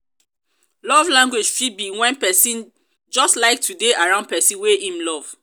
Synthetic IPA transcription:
lɔvlãŋɡwed͡ʒfibiwɛ̃npɛsĩn | d͡ʒɔstlaɪk̚tʰudeʔaɹãʊ̃nd̚pɛsĩnweʔĩmlɔv̥

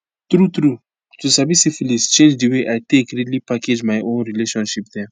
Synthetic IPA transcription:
t̪ɾut̪ɾu | tusabisifilist͡ʃẽnd͡ʒdiweʔajtekɾilipaked͡ʒmajʔõnɾileʃɔ̃nʃip̚d̪ɛ

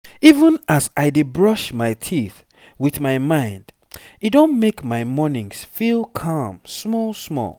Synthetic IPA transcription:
ivə̃nasaɪdebɹʌʃmaɪtʰiθ | wiθmaɪmãɪ̃nd | idõnmekmaɪmɔnĩŋsfilˠkʰɑmsmɔlˠsmɔ̰lˠ

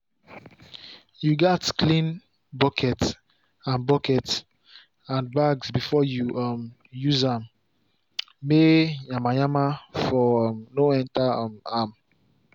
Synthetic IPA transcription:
juɡɛtklĩn | bɔkʰɛts | ãnbɔkɛts | ãnbaɡsbifɔjuʔʌm | juzãm | mejamajamafɔmnoɛ̃ntamam

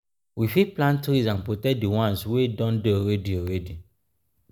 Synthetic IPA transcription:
wifiplãntɾisãnpotɛdiwɔ̃nswedɔ̃ndeoɾɛdioɾɛdi

